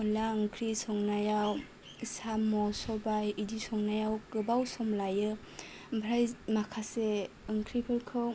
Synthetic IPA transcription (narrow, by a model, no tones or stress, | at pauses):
ɔlaɯŋkʰɾisɔŋnajaw | isamɔsɔbajidisɔŋnajawkɯbawsɔmlajɯ | bʰɾajmakʰase | ɯŋkʰɾipʰɯɾkʰɯw